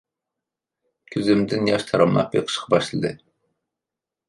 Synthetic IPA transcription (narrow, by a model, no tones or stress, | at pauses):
kʲʰyzɪmd̪ɪnjɑʃt̪ʰɑɾɑmlˠɑ̰pḛqʰə̥ʃqʰɑbɑʃlˠɨd̪ɨ